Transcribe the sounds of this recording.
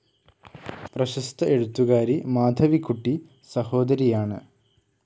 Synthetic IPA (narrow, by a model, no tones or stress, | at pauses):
prɐɕɐst̪ɐʔe̞ɽut̪ːuɣaːɾimaːd̪ʱɐʋikːuʈːi | sɐho̞ːd̪ɐɾijaːɳɨ